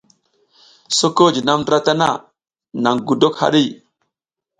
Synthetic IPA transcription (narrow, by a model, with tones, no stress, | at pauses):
so˦ko˦˨d͡ʒi˨na˦mdɾa˦ta˦na̰˦˨ | na˨ŋɡu˨do˦kha̰˦ɗi˦˨